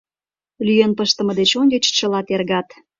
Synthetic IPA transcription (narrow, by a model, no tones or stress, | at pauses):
lyjenpəʃt̪ə̆mə̆d̪et͡ɕonʲet͡ɕt͡ɕə̆lɑt̪erɣɑt̪